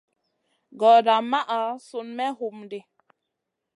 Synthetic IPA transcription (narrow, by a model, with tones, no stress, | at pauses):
ɡɔ˨da˨ma˦ʔa˨su˨nmɛ˦hu˨mde˨